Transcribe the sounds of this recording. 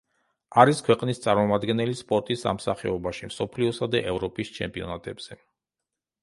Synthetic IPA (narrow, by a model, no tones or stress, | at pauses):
aɾiskʰwɛqʼnist̪sʼaɾmɔmad̪ɡɛnɛlispʼɔɾt̪ʼisa̰msa̰χɛɔbaʃimsɔpʰliɔsad̪aʔɛvɾɔpʼist͡ʃʰɛmpʼiɔnat̪ʼɛbz̥ɛ